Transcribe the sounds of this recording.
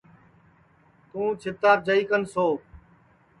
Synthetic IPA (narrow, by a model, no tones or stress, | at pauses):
t̪ũːt͡ʃʰɪt̪aːp̚d͡ʒəiːkənsoː